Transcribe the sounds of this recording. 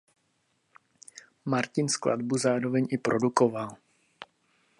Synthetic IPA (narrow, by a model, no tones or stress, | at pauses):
maɾcɪnskla̰dbuzaːɾovɛɲʔɪpɾʔodukoval